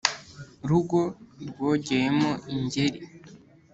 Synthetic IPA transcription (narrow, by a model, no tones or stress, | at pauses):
ɾuɡo̞ɾɡo̞ːɟejemoʔiɲɟeɾi